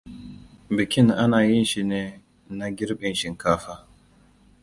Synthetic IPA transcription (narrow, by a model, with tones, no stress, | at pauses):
bɪ˨kʲɪ˦nʔa˦naː˨jɪ˦nʃi˨neː˦ | na˦ɡʲɪ˦ɾɓɪ˨nʃɪ˨ŋkaː˦ɸaː˦